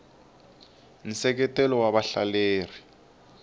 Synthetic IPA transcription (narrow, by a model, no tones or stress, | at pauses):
n̩sɛk̬ɛtɛlɔwaβaɬaleːr̤i